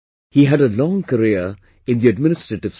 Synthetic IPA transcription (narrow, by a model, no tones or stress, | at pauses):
hiɦæɖəlɔ̃ŋkəɾiə | ɪ̃nd̪iəɖmɪnɪsʈɾəʈɪʋs